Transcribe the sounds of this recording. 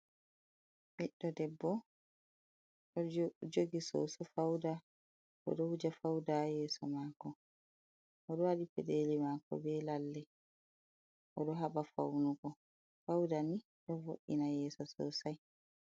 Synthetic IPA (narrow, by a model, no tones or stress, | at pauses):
miɗːɔdɛbːɔ | ɗɔd͡ʒoɡisɔ̰sɔfawda | ʔɔ̰ɗɔhud͡ʒafawdajɛːsɔ̰makɔ | ʔɔɗɔwaɗipɛɗeːlimakɔ̰bɛlalːɛ | ʔɔɗɔɦaɓafa̰wnuɡɔ | fawdani | ɗɔvoʔinajɛːsɔsɔ̰saj